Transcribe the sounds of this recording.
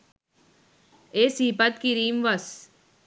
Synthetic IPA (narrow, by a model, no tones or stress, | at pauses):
eːsiːpɐt̪̚kiɾiːmʋɐs